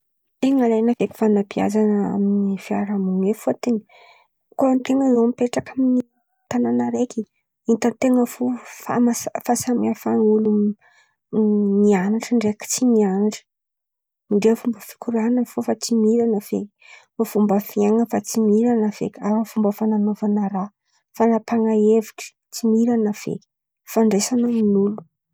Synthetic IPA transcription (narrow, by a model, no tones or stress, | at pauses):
eŋalajnavekʲi̥fanapia̰zanəa̰minifiaɾamuŋefoat̪eni̥ | koant̪eŋəzomipeʈ͡ʂakamini | t̪ananəɾeki | int̪ant̪eŋəfofa̰masfasamiafanulum | nianaʈ͡ʂəɳɖ͡ʐeki̥t͡sinianaɳʈ͡ʂə̥ | miɳɖ͡ʐefumbəfi̥kuɾanəfofat͡simiɾanav̥ḛkʲi̥mafumbəfiaŋəfat͡simiɾanavḛkʲaɾavumbəfananovanəɾa | fanapaŋaeviʈ͡ʂ | t͡simiɾanav̥ḛkʲi̥ | faɳɖ͡ʐesanəminulu